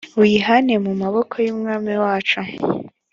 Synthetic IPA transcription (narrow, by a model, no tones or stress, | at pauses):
wiɦanemumaβo̞kʰo̞juːmŋaːmiwaːt͡ʃu